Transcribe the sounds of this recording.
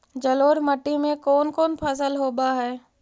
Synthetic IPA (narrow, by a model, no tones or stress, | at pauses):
d͡ʒəloːɾməʈːimẽkɔːnkɔːnpʰas̬əlɦoːbaɦɛː